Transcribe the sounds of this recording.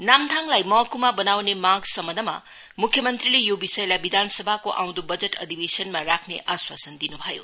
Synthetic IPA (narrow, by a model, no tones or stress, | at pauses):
namt̪ʰaŋlajmʌkːumabɐnawnemaɡsɐmɐdɐmɐ̰ | mukʰjɐmɐnt̪ɾilijubisɐjlabid̪ʱansɐbʱakoʔa̰w̃nd̪ubɐd͡ʒetɐ̰d̪ʱibesɐnmɐɾakʰneʔaswasɐnd̪inuɦajṵ